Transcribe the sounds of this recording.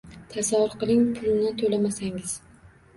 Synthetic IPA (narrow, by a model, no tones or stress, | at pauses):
t̪ʰasavʊɾqɨlˠɪŋpʰʊlˠɪnɪt̪ʰolamasaŋɪz̥